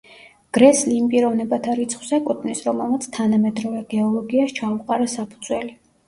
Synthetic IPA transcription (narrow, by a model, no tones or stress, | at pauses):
ɡ̥ɾɛsliːmpʼiɾɔvnɛbat̪ʰaɾit̪sʰχw̥sakʼut̪ʼnisɾɔmɛlˠmat̪sʰt̪ʰanamɛd̪ɾɔvɛɡɛɔlˠɔɡiaʃt͡ʃʰauqʼaɾasapʰud̪zwɛli